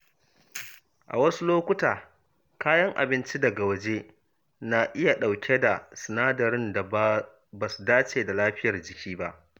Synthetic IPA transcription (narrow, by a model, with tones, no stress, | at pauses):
ʔa̰˨wɐ˦su˦loː˦kʷʊ˦taː˨ | kaː˦jɐ˦ŋʔa̰˨bɪ˦nt͡ʃi˦dɐ˨ɡa˨wɐ˨d͡ʒe˦ | na˨ʔɪ˦ja˨ɗa˨wkʲe˦da˨sɐ˨naː˦dɐ˨ɾɪ˦nda˨˦ | ba˨su˨daː˦t͡ʃeː˨da˨laː˦ɸɪ˦jɐ˨rd͡ʒɪ˨kʲiː˦ba˦ʔ